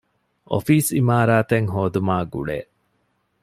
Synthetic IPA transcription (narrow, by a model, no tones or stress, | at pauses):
ʔo̰fiːsimaːɾaːt̪eŋɦoːd̪umaːɡṵɭḛːʔ